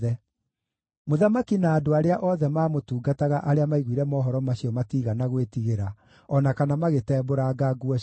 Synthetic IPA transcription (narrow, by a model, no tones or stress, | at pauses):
ɛ | moðamakinaːdoaɾeaʔɔðɛmaːmotuːɡataɣaʔaɾeamaiɣwiɾɛmɔːɦɔɾɔmaɕiɔmatiːɣanaɣwetiɣeɾa | ɔnakanamaɣetɛːboɾaːɡaːɡuɔ